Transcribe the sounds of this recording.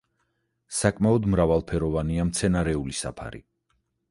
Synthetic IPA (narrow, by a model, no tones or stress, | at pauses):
sakʼmaɔd̪mɾavalˠpʰɛɾɔvaniamt̪sʰɛnaɾɛulisa̰pʰa̰ɾḭ